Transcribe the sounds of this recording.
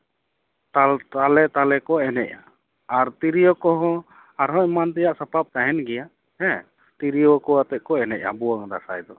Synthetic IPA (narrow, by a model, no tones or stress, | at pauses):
t̪alt̪alɛt̪alɛkɔʔɛnɛc̚a | aɾt̪iɾijɔkɔɦɔ̃ | aɾɦɔʔmant̪ɛjaʔsapap̚t̪aɦɛnɡɛjaʔ | hɛ̃ | t̪iɾijɔkɔat̪ɛʔ̚kɔɛnɛʔa̰buwaŋd̪a̰sajd̪ɔ